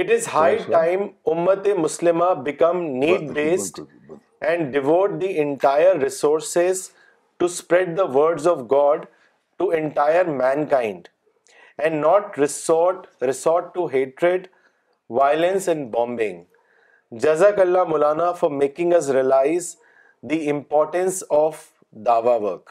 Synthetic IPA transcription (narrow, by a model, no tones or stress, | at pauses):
ɪʈɪzhaɪãɪ̃mʊmːət̪emʊslɪmabɪkɐ̃mniːɖ̚beːsʈ | ʔɛ̃ɳɖɖɪʋoːʈ̚d̪iʔɛ̃ɳʈaɪəɾːɪsoːɾsez | ʈuspɾɛɖ̚d̪əʋəɾɖzɔʋɡɔːɖ | ʈuẽɳʈaɪəɾmɛ̃nkãɪ̃ɳɖ | ɛ̃ɳɖnɔːʈɾɪsʈɾɪsɔːɾʈʈuɦeːʈɾeɖ | ʋaɪlə̃nsɛ̃ɳɖbɔ̃ːmbɪ̰̃ŋ | d͡ʒɐzakəlːamʊlaːnafɔɾmeːkɪ̃ŋɐs̬ɾiəlaɪz | d̪iɪ̃mpɔːɾʈə̃nsɔːf | d̪aːʋaʋəɾk